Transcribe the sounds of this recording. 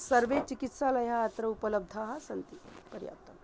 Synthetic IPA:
sɐɾʋet͡ʃikit̪saːlɐjaːt̪ɾɐupɐləb̚d̪ʱaːɦɐsɐnt̪ipɐɾja̰ːt̪ɐn

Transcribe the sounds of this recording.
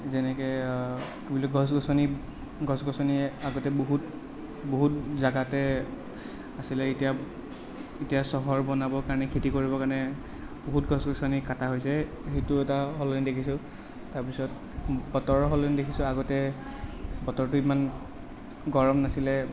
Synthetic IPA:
zɛnɛkɛ | kibilɔkɡʱɔs̬ɡɔsɔni | ɡʱɔsɡɔsɔniaɡɔtɛboɦut | boɦutzaɡatɛ | asilɛitija | itijasɔɦɔɹbɔnabɔkaɹɔnɛkʰitikoɹibɔkaɹnɛ | boɦutɡʱɔsɡɔsɔnikataɦojsɛ | xejtʊɛtaɦɔlɔnidekʰisʊ̃ | taɹpisɔt̚ | bɔtɔɹɦɔlɔnidekʰisʊ̃aɡɔtɛ | bɔtɔɹtʊiman | ɡɔɹɔmnasilɛ

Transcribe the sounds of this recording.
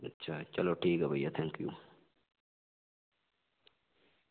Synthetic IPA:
ɐtːt͡ʃʰat͡ʃɐloʈʰiːɡɐbɐjːɐt̪ʰeŋkju

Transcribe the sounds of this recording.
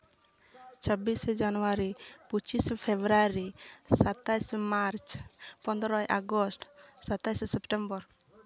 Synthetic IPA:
t͡ʃʰɔbisd͡ʒanuaɾiput͡ʃispʰebɾaɾisat̪ajsmaɾt͡ʃpɔnd̪ɾɔjʔaɡɔsʈsat̪ajssɛpʈɛmbɔɾ

